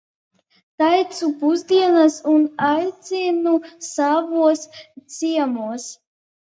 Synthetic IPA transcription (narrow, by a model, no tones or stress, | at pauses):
t̪ajt̪supuzd̪iɛnasunajt̪sinusavuɔst̪siɛmuɔs